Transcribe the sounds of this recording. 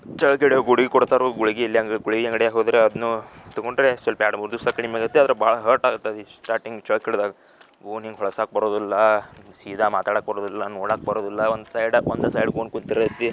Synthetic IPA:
t͡ʃɐɭkeɽɡuɽiɡikɔɽt̪aːɾoɡuɭiɡilːijaŋɡɡuɭiɡiaŋɡɐɽjaːɦoːd̪ɾeɐd̪ɐnut̪ɐɡoɳɖɾesʋɐlpɐjaːɽɐmuɾd̪usakɐɳimaːɡɐt̪ːeɐd̪ɐɾebaːɭɐɦɐɾʈaːɡut̪ːeɐd̪isʈaːɾʈiŋɡt͡ʃɐɭkiɽd̪aːɡɐ | ɡoːniŋɡɦɔɭɐsaːk̚bɐɾoːd̪ilːɐsiːd̪ʱamaːt̪aːɽaːk̚bɐɾoːd̪ilːɐnoːɽaːk̚bɐɾoːd̪ilːɐond̪saːjɽɐond̪ɐsaːjɖɡoːnkunt̪iɾɐɐt̪ːi

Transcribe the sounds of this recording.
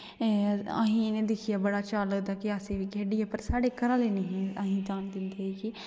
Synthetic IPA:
ə̰ɦĩːneːd̪ɪkʰɪjaːbəɽaːt͡ʃaːləɡd̪aːkɪəsĩːʋiːɡʱeːɖiaːpəɾsaːɽeːkəɾãːleːnəɦĩːəɦĩːd͡ʒ̪aːnd̪ɪnd̪eːiki

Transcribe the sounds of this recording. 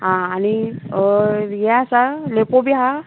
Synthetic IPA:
ɦãːni | jasalepobiɦa

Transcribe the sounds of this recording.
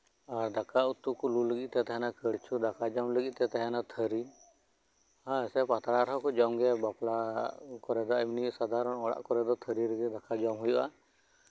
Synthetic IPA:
aɾd̪akaut̪ːukululəɡit̪̚t̪ɛt̪aɦɛnakəɽt͡ʃʰud̪akad͡ʒamləɡit̪̚ˀt̪ɛt̪aɦɛnat̪ʰəɾi | hãsɛpat̪aɽaɾɦɔkɔd͡ʒɔmɡɛbaplakɔɾɛd̪ɔajminisad̪aɾɔnɔɽa̰ʔkɔɾɛd̪ɔt̪ʰəɾiɾɛɡɛd̪akʰad͡ʒɔmɦujuʔa̰

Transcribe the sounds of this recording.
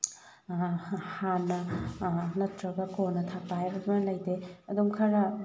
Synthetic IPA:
hanːɐ | nɐtɾɐɡɐkonɐtʰak̚pajbɐdmɐlɐjdeɐduŋkʰɐɾɐ

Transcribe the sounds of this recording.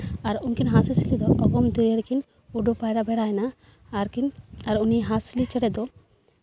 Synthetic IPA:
aɾunkinɦasisilid̪ɔʔɔɡɔmd̪əeɾkin | uɖupajɾabɛɽajnaː | ɾkinaɾuniɦasilit͡ʃɛɽɛd̪ɔ

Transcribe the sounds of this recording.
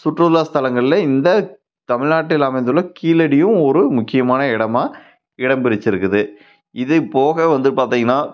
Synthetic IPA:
sʊʈrɐlaːst̪ɐlɐŋɡɐɭɪlɐɪnd̪ɐ | t̪ɐmɪɻnaːʈːɪlɐmɐɪnd̪ɯlːɐkiːlɐɽɪjɯ̃ɔɾɯmʊkːɪjɐmaːnɐɪɽɐmaː | ɪɽɐmbɪɾɪt͡ʃːɪɾɯkːɯðɯ | ɪðɐpoːɣɐʋɐnd̪ɯpaːɾt̪iːŋɡɐnːaː

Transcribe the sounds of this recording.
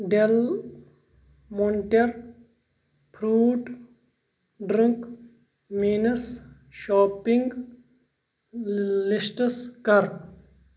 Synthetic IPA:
ɖel | moɳʈeɾ | pʰɾuːʈ | ɖɾĩŋk | miːnəs | ʃoːpiŋɡ | lisʈskɐɾ

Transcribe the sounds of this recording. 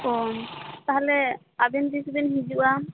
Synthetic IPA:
ɔt̪aɦalɛ | abɛnd̪isbɛnɦid͡ʒuʔa

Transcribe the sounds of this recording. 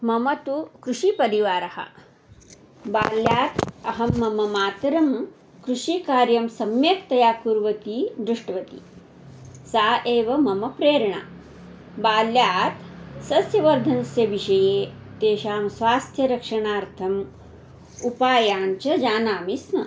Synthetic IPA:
mɐmɐt̪ukɾuʂipɐɾiʋaːɾɐhɐ̰ | baːljaːt̪ɐɦɐmːɐmɐmaːt̪ɾɐm | kɾuʃikaːɾjɐmsɐmjekt̪ɐjaːkuɾʋɐt̪iːd̪ɾuʂʈɐʋɐt̪ḭ | saːʔeːʋɐmɐmɐpɾeːɾɐɳa̰ | baːljaːt̪sɐsjɐʋɐɾd̪ʱɐnɐsjɐʋiʃɐjeː | t̪eːʃaːmsʋaːst̪ʰjɐɾɐkʂɐɳaːɾt̪ʰɐm | upaːjaːnt͡ʃɐd͡ʒaːnaːmisnɐ

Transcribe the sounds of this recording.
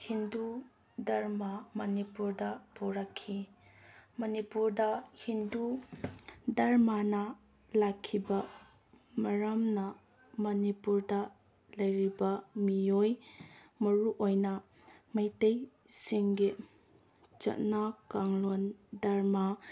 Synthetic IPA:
hindu | dɐɾmamɐnipuɾdɐpoɾɐkʰːi | mɐnipuɾdɐhindu | dɐɾmanɐ | lakʰːibɐ | mɐɾɐmnɐ | mɐnipuɾdɐ | lɐjɾibɐmiojmɐɾuʔojnɐ | mɐjtej | siŋɡi | t͡ʃɐ̰tnakaŋlondɐɾma

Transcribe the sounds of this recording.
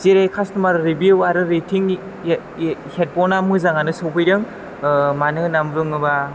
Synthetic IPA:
ziɾajkʰasnɯmaɾɯɾibiuaɾɯɾetʰiŋ | het̚pɔnamɯzaŋanɯsowpʰɯjɾɯŋ | manɯnamɾɯŋɯba

